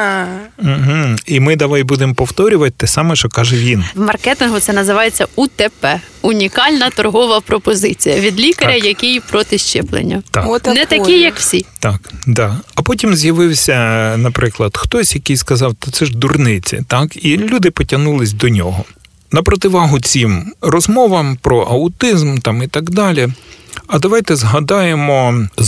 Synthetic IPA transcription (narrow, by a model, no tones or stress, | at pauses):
m̩ɦm̩imɪd̪ɐʋɑjbud̪empɔwt̪ɔɾʲʊʋɐt̚ʲt̪ːɛsɑmɛʃt͡ʃɔkɑʒɛʋʲinwmɐrkɛt̪ɪnɦʊt̪sɛnɐzɪʋɑjet͡sʲːɐut̪ɛpɛ | ʊnʲikɑlʲnɐt̪ɔrɦɔʋɐpɾɔpɔzɪt͡sʲijɐʋʲid̪lʲikɐɾʲɐjɐkʲijpɾɔt̪ɪʃt͡ʃɛplˠḛnʲːɐt̪ɑnɛt̪ɐkijɐkwsʲit̪ɑkd̪ɑɐpɔtʲimzjɐʋɪwsʲɐnɐpɾʔɪklˠɐd̪̥xt̪ɔsʲjɐkɪjskɐzɑwt̪ɐt̪sɛʒd̪urnɪt͡sʲḭt̪ɑkilʲud̪ɪpɔtʲɐnulˠɪsʲd̪ɔnʲɔɦɔ | nɐpɾɔt̪ɪʋɑɦʊt͡sʲimrɔzmɔʋɐmpɾɔʔɐʊt̪ɪzmt̪ɑmit̪ɐɡd̪ɑlʲiɐd̪ɐʋɑjt̪ɛzɦɐd̪ɑjemɔ